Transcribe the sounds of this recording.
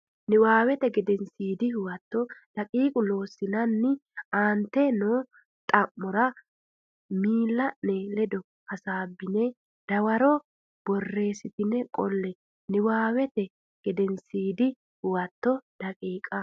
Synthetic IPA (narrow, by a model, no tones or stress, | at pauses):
nɪwaːwɛt̪ɛɡɛd̪ɛnsiːd̪ɪhʊwɐt̪ːɔd̪̥ɐkʼiːkʼʊlo̞ːsːɪnɐnːɪaːnt̪ːɛnoː | t̪ʼɐmːɔɾɐ | miːlːɐnelɛd̪ɔ | hɐsaːbːɪnɛ | d̪̥ɐwɐɾɔ | b̥ɔrːe̞ːsɪt̪ɪnɛkʼɔlːɛ | nɪwaːwɛt̪ɛ | ɡ̥ɛd̪ɛnsiːd̪ɪ | hʊwɐt̪ːɔd̪̥ɐkʼiːkʼɐ